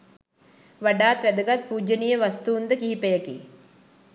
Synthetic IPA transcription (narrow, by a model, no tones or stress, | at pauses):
ʋɐɖaːt̪ʋɛd̪ɐɡɐt̪̚puːd͡ʒɐnijɐʋɐst̪uːnd̪ɐkiɦipɐjɐkḭ